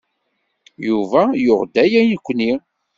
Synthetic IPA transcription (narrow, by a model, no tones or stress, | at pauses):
juvæjʊʁd̪æjænəkʷːni